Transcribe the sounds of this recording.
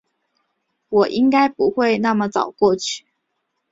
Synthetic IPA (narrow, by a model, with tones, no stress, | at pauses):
wɔ˨˩ʔi˦˥ŋka˥ɪpu˨˥xwe˥˧ɪna˥˩mə˨t͡sɑ˨˩ʊkwɔ˥˧t͡ɕʰy̥˥˩